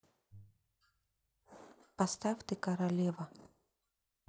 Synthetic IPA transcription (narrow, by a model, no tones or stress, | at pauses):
past̪aft̪ɨkɐɾalʲɛvɐ